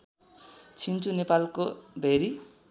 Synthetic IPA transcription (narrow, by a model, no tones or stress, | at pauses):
t͡sʰint͡sunepalkobʱeɾi